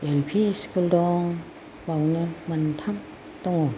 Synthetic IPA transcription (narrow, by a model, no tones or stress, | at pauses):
elpʰiskuldɔŋ | bawnɯmant̪ʰam | d̪ɔŋɔ